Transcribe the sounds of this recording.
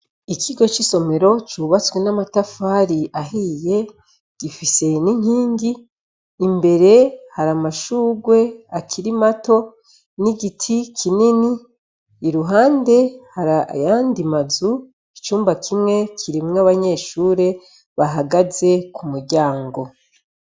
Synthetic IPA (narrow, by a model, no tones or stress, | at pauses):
ikʰiɡo̞t͡ʃiso̞me̞ɾo̞t͡ʃuːβat͡swe̞namatafaɾiʔaɦije̞ | ɡ̥ifise̞niɲ̥hiːɲɡiː | mbe̞ɾe̞haɾamaʃuːɡwe̞akʰiɾimato̞ | niɡitʰikʰininiː | ɾuɦaːnde̞haɾajaːndimazu | it͡ʃuːmbakʰimŋe̞kʰiɾimŋaβaɲe̞ːʃuːɾe̞ | βaɦaɡaze̞kumuɾɟaːŋɡo̞